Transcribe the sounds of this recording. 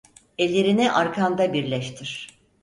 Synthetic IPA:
ɛlʲːe̞ɾiniʔaɾkʰand̪abiɾlʲɛʃt̪ʰiɾ̥

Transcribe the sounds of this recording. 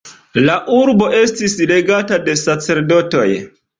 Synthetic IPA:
laʔuɾbo̞e̞stisle̞ɡatade̞sat͡se̞ɾdo̞to̞̰j

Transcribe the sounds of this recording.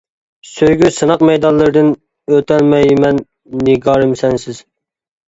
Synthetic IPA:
søjɡʲysɨnɑqmɛjd̪ɑnlˠːɨɾɨd̪ɨn | øt̪ʰɛlmɛjmɛnː | ɪɡɑːɾɨmsɛnsɪz̥

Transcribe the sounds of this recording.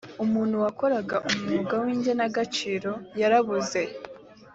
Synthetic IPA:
umuːn̥huwako̞ɾaɡaʔumumuɡawiːɲɟenaɡat͡ʃiːɾo̞jaɾaβuze̞

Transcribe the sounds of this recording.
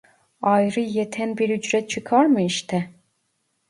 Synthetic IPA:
ajɾɯjet̪ʰɛnbiɾyd͡ʒɾɛt̪̚t͡ʃʰɯkʰaɾmɯiʃt̪ʰɛ

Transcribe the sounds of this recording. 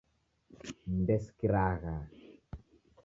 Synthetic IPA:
mbɛskiɾaːɣa

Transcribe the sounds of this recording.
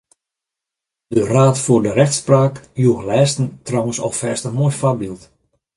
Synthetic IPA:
dəraːtfoːrdərɛxtspraːkjuəɣlɛːstən̩trɔwənsɔ̰lˠfɛːstəmojfabilˠt

